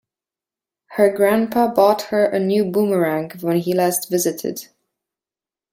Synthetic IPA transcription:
hə˞ɡɹæ̃npʰəbɔt̚hə˞ʔɨnjʉbuməɹæ̃ŋkwə̃nɦilæstvɪzɨɾɪ̰d̥

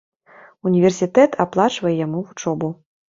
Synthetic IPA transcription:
unʲivʲɛrsʲit̪ɛt̪ʰaplˠat͡ʂvɐjɛjamuvut͡ʂɔbu

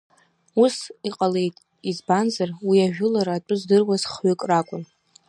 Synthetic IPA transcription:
usiqʼale̞jtʼ | izbanzarwiaʒᶣʊlaɾaːtʷʼʊzdɨrwazχɥʏkʼrakʷʼʊn

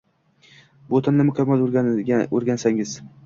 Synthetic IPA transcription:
bot̪ʰanlɪmʊkʲʰamːal | oɾɡʲansaŋɪz

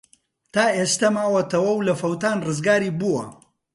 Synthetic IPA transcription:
t̪aːʔeːst̪ɐmaːwɐt̪ɐwɐwlɐfɐwt̪aːnrɨzɡaːɾiːbuwɐ̰

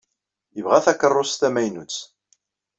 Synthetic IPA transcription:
jəvʁæθækərˤːʊst̪æmæjnut͡sː

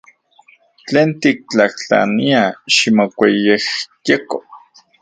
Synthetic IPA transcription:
t͡ɬeːnt̪ik̚t͡ɬaht͡ɬa̰niaʃimokʷejehjeko

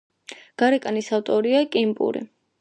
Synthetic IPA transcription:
ɡ̥aɾɛkʼanisaft̪ʼɔɾiakʼimpʼṵɾḭ

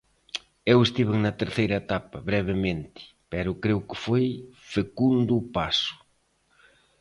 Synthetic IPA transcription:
ewest̪iβeŋnɐt̪eɾθejɾɐet̪apɐβɾɛβɪmẽnt̪ɪ̥ | pɛɾʊkɾewkɪfojfekund̪ʊpasʊ̥

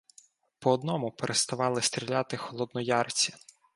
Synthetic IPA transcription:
pɔːd̪nɔmʊpeɾʔest̪ɐʋɑlˠɪst̪ɾʲilʲat̪ɪxɔlˠɔd̪nɔjɑrt͡sʲi

